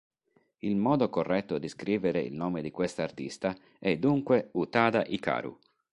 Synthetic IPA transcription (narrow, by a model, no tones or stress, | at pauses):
ilmɔːd̪okorːɛt̪ːod̪iskɾiːveɾeḭlnɔːmed̪ikwest̪aːrt̪ist̪a | ɛd̪uŋkweut̪aːd̪aʔika̰ːɾṵ